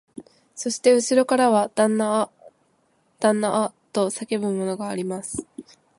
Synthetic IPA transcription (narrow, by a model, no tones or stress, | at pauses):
so̞ɕi̥t̪e̞ɯ̟ɕiɾo̞kaɾaβad̪̥anːa | d̪̥ãnːaʔat̪o̞sake̞bɯ̟̃mːo̞no̞ɡaːɾʲimasɨ̥